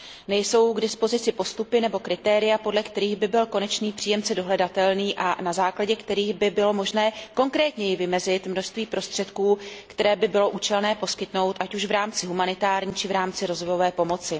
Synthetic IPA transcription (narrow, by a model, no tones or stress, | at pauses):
nɛjso̞wɡdɪspo̞zɪt͡sɪpo̞st̪upɪnɛbo̞kɾɪt̪ɛːɾɪjapo̞dlɛkt̪ɛɾiːɣbɪbɪlko̞nɛt͡ʃniːpr̥iːjɛmt͡sɛdo̞ɦlɛdat̪ɛlniːʔanazaːklaɟɛkt̪ɛɾiːɣbɪbɪlo̞mo̞ʒnɛːko̞ŋkɾɛːt̪ɲɛjɪvɪmɛzɪt̪mno̞ʃst̪viːpɾʔo̞st̪r̥ɛt̪kuːkt̪ɛɾɛːbɪbɪlo̞ʔuːt͡ʃɛlnɛːpo̞skɪt̪no̞wt̪ʔacuʃvɾaːmt͡sɪɦumanɪt̪aːɾɲiːt͡ʃɪvɾaːmt͡sɪɾo̞zvojo̞vɛːpo̞mo̞t͡sɪ